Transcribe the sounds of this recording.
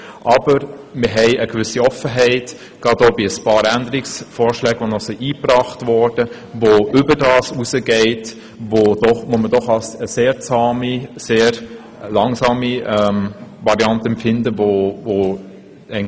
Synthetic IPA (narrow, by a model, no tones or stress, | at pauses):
ʔɑb̥əɾməɦɛɪəkvʏsiɔfəɦɛɪt | ɡ̥ɑdoːbiəspɑːɾændəɾiksfɔːɾʃlɛːɡʋonɔχsiʔiːprɑːχtvɔɹd̥ə | voʏbədɑːsuzəɡɛɪt | vod̥ɔχʋomədɔχɑsəseːɾt͡sɑːmiseːɾ | lɑŋsɑːmiɛmvɑɾiɑntəɛmpfɪndəvovo | ɛ